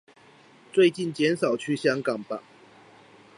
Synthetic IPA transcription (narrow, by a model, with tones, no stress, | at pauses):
t͡swe˥˧ɪt͡ɕi˥˨nt͡ɕjɛ˨˦nsɑ˨˩ʊt͡ɕʰy˥ɕjɑ˥ŋkɑ˨˩ŋpa˨˦